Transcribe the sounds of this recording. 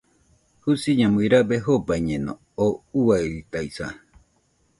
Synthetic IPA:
husiɲãmɨɾabeɦobaɲẽnõ̰ | ouait̪ajsa

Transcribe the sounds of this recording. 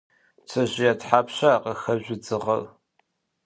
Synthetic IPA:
t͡sʰɐʑɪjatħaːpɕaːqəxɐʑʷʊd͡zɨʁɐl

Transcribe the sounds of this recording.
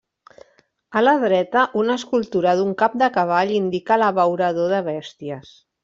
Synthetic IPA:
ələðɾɛt̪əʔunəskulˠt̪uɾəðuŋkap̚d̪əkəβ̞aʎind̪ikələβəwɾəðoðəβ̞ɛst̪iəs

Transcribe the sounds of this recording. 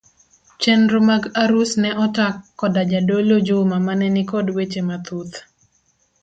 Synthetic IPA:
t͡ʃɛndɾomaɡaɾusnɛʔɔtakːɔdad͡ʒadolod͡ʒomamanɛnikodwet͡ʃemat̪ut̪

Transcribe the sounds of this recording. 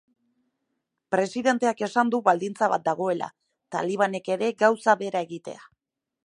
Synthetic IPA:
pɾe̞siðe̞nt̪e̞ake̞sand̪uβald̪int͡saβa̰t̪̚d̪aɣ̞o̞e̞la̰ | t̪a̰liβ̞ane̞ke̞ɾe̞ɡawsaβe̞ɾae̞ɣit̪e̞̰a

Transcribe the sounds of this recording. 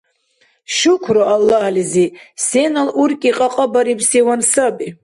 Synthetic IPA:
ʃʊkʷʰroʔalːahlizisenalurkʼiqʼaqʼəbaɾipʰsewansabʼi

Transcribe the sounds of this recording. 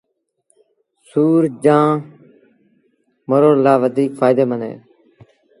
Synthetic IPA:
suːɾd͡ʒãː | məɾoːlaːʋəd̪iːkfaːjd̪eːmənḛː

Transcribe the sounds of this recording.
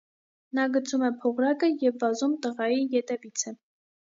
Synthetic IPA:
nɑɡət͡sʰumɛpʰɔʁɾɑkəjɛvːɑzumt̪əʁɑjijɛt̪ɛvit͡sʰə

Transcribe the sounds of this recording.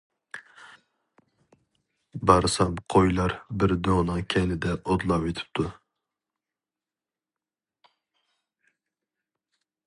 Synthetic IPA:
bɑɾsamqʰojlaɾbɪɾd̪onɨkʲʰɛnɪd̪ɛʔɔd̪lˠɑpet̪ʰɪ̥p̚t̪ʰʊ

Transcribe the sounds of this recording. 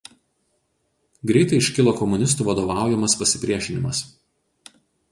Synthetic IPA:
ɡɾʲɛɪt̪ɐɪɪʃʲkʲɪlˠoːkɔmʊnʲɪst̪uːʋɐd̪oːʋɑˑʊjɛmɐspɐsʲɪpʲɾʲiɛʃʲɪnʲɪmɐs

